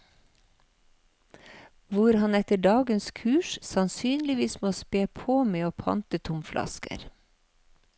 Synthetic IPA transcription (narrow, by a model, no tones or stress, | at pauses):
ʋʊɾhɑnɛt̪əɖɑːɡənskʰʉːʃsɑnsyːnlɪʋiːsmoːspeːpʰoːmeːoːpʰɑ̰nt̪ət̪ʰʊmflʔɑ̰skə̰ɾ